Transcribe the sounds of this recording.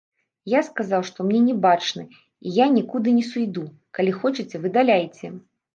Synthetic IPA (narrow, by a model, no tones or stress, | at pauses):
jaskazawʂt̪ɔmnʲɛnʲɛbat͡ʂnɨ | ijanʲikud̪ɨnʲɛsujd̪u | kalʲixɔt͡ʂɨt͡sʲɛvɨd̪alʲajt͡sʲɛ